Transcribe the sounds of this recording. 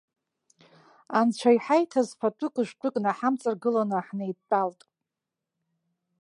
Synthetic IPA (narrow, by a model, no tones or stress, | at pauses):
ant͡ʃʷʰajħajtʰazpʰatʰʼɨkʷʼɨʃʷtʷʰʼʊkʼnaħamt͡sʼarɡɨlanɨħnejdtʼaltʼ